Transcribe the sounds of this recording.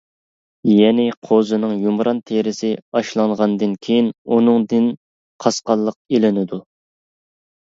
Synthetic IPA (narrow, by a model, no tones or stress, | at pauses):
jɛnɪqʰozɨnɨŋjumɾɑnt̪ʰeɾɪsɪɑʃlˠɑŋʁɑnd̪ɨnkʲʰejinunɨŋd̪ɪn | qʰɑsqɑlˠːəq̚elɪnɪd̪u